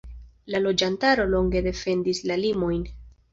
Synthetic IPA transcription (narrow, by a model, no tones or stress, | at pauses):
lalo̞d͡ʒantaɾo̞lo̞ŋɡe̞de̞fe̞ndislalimo̞jn